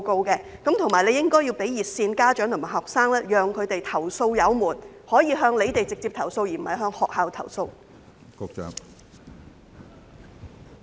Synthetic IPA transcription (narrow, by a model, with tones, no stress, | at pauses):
ko˧wkɛː˧ | kɐ˨˥mt̪ʰʊ˨ŋmaː˨˩jle˨˧jɪ˥ŋkɔː˥jiː˧wpe˨˥jiː˨˩t̚siː˧nkaː˥t͡ʃœː˨˥ŋʰo˨˩maː˨˩hɦɔː˨k̚saː˥ŋlɛː˥jœː˨ŋkʰɵ˨˧ɥt̪e˨jt̪ʰɐ˨˩wso˧wjɐ˨˧wmuː˨˩nhɔː˨˥jiː˨˧ɦœː˧ŋle˨˧jt̪e˨jt͡sɪ˨k̚t͡siː˧p̚t̪ʰɐ˨˩wso˧wjiː˨˩m̩˨˩hɐ˨˩jɦœː˧ŋhɔː˨k̚haː˨wt̪ʰɐ̰˨˩wso˧w | kʊ˧k̚t͡ʃœ̰˨˥ŋ